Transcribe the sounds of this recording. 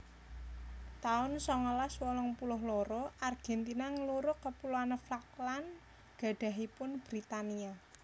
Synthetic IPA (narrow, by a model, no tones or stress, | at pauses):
t̪aʊnsɔŋəlaswɔlɔŋpulʊɦlɔɾɔʔarɡ̥ɛnt̪inaŋəluɾʊkːəpuloanəflaklan | ɡ̥a̤ɖ̥a̤ɦipʊnb̥ɾit̪ania